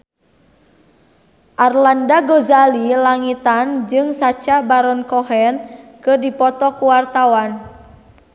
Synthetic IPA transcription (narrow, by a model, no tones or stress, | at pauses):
ʔarlandaɡɔzalilaŋit̪and͡ʒɨŋsat͡ʃabaɾɔnkɔɦɛnkɨrdipɔt̪ɔkuwart̪awan